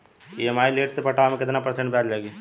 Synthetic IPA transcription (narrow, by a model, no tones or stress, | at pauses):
iemaːileːʈsepəʈʰamẽkɪt̪napɾsə̃ɳʈbɛːɾd͡ʒaːɡi